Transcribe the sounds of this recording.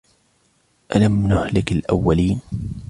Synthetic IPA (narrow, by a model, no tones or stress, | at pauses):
ʔalamnʊhlɪkalʔa̰wːaliːn